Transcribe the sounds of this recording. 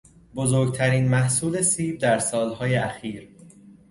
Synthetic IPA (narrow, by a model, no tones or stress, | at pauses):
bozoːɾɡ̚t̪ʰæɾiːnmæhsuːle̞siːb̚d̪æɾsɒːlhɒːjeæxiːɾ